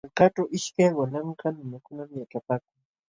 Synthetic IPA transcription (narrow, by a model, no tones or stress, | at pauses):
alkaʈ͡ʂawʔɪʃkajwanaɴɢɑnʊnakʊnamjaʈ͡ʂapaːkʊŋ